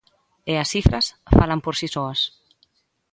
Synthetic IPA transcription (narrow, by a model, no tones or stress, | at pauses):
easifɾɐsfalampoɾsisoɐs